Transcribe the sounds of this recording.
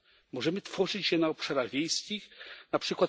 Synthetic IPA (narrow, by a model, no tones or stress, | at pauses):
mɔʐɛmɘt̪fɔʐɘt͡ɕɕɛnaɔpʂaɾaɣvʲjejskʲixnapʂɘkwat̪